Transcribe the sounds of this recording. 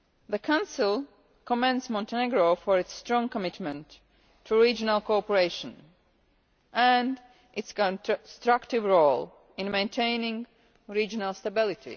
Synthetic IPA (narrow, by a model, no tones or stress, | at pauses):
ðəkʰãʊ̃nsɪlˠ | kɔmɛ̃ndsmɔ̃ntɛneɡɹofɔɹɨtstɹɔ̃ŋkɔmɪtmɛ̃ntʰː | uɹid͡ʒənalˠkoɔpəɹeɪʃə̃n | ʔæ̃nd | ʔɪtskɔ̃nstɹ̥aktɪvɹolˠ | ɪ̃nmẽɪ̃ntʰẽɪ̃nɪ̃ŋ | ɹid͡ʒɔnalˠstabɪlˠɪtʰḭ